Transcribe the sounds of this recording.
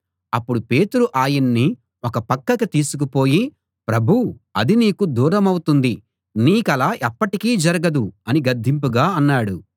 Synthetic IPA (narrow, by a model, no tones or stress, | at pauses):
ɐpːuɽupe̞ːt̪uɾuʔaːjinːi | ɔkɐpɐkːɐkɐt̪iːsuk̬upo̞ːji | pɾɐbʱu | ɐ̰d̪iniːkud̪uːɾɐmɐwut̪und̪i | niːkɐlaːʔɛpːɐʈikiːd͡ʒɐɾɐɡɐd̪uɐniɡɐd̪ʱːimpuɡaːɐnːaːɽu